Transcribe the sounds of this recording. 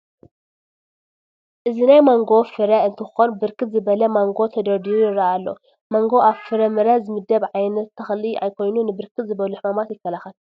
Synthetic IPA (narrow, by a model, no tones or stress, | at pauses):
ʔɨzinajmaŋɡo̞fɨɾɐɨnt̪ʰɨxɨxonbɨɾkʰɨt̪̚zɨbɐlɐmaŋɡo̞t̪ʰɐd̪ɐɾd̪iujɪɾaalːo̞̰ | mɐŋɡo̞ʔaβfɨɾɐmɨɾɐzɨmɨd̪ːɐβʕajnɐt̪ʰːɐxlia̰jkʰo̞jnunɨbɨɾkʰɨt̪zɨβɐluħmamat̪jɪkːɐlaxɐl